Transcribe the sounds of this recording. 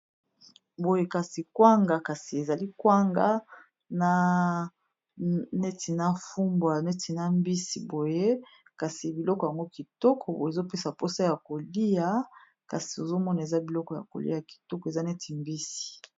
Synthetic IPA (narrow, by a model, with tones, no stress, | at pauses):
bo˨je˦ka˨si˨kwa˦ŋɡa˨ka˨si˨e˨za˨li˦kwa˦ŋɡa˦ | na˦ | nɛ˦tʰi˨na˦fu˦mbwa˨nɛ˦ti˨na˦mbi˦si˨bo˨je˦ | ka˨si˨bi˨lɔ˦kɔ˨ja˨ŋɡo˦ki˨tɔ˦kʰɔ˨bo˨e˨zo˦pe˦sa˨po˦sa˦ja˨ko˨li˦ja˨˦ | ka˨si̥˨o˨zo˦mɔ˦na˨e˨za˦bi˨lɔ˦kɔ˨ja̰˨ko̰˨lḭ˦ja˨ki̥˨tɔ˦kɔ˨e˨za˦nɛ˦ti˨mbi˦si̥˨